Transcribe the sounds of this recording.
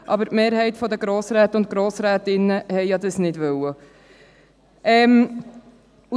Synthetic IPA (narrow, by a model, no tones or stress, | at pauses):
ʔɑbəɾtmeːɾɦɛɪtfɔd̪əɡɾoːsɾæːt̪ʊntɡ̥ɾoːsɾæːt̪ɪnːəhɛjjɑd̪əsnɪdʋœwə | ʔɛm | u